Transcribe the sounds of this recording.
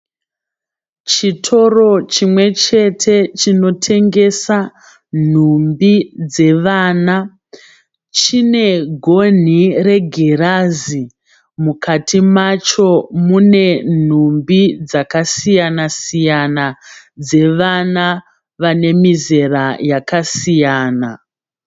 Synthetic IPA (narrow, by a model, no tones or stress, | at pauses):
t͡ʃitʰo̞ro̞t͡ʃimwe̞t͡ʃe̞tʰe̞t͡ʃino̞tʰe̞ŋɡe̞sa | n̤umbid͡ze̞ʋaːna | t͡ʃine̞ɡʱo̞n̤ire̞ɡʱerazi | mukʰatimat͡ʃo̞mune̞n̤umbid͡zakasijanasijana | d͡ze̞ʋana | ʋane̞mize̞rajakasijaːna